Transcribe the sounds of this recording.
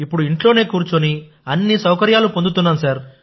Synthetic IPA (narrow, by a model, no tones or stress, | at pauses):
ipːuɽuiɳʈlo̞ːne̞ːkuːɾt͡ʃoni | ɐnːisɐwkɐɾjaːlupo̞nd̪ut̪unːaːnusaːɾ